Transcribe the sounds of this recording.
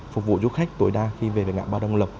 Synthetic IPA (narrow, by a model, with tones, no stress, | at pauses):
fk͡p̚vṵ˧˨zu˧˦xa˦˥jk̟̚t̪o˨˦jɗaː˧xi˧ve˨˩ve˨˩ŋa̰ː˧˨ɓaː˧ɗə˧wŋ͡mlə˨˩p̚